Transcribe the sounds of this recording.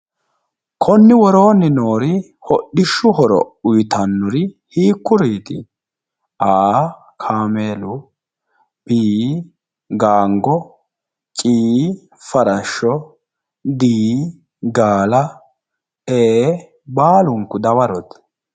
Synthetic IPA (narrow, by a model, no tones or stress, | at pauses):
kʰɔnːɪwɔɾo̞ːnːɪnoːɾɪ | hɔɗɪʃːʊhɔɾɔ̰ʊjt̪ɐnːʊɾɪ | hiːkːʊɾiːt̪ɪ | ʔaː | kʰaːmeːlʊ | biː | ɡaːŋɡɔ | t͡ʃʼiː | fɐɾɐʃːɔ | d̪iː | ɡaːlɐ | eː | baːlʊŋkːʊd̪ɐwɐɾɔt̪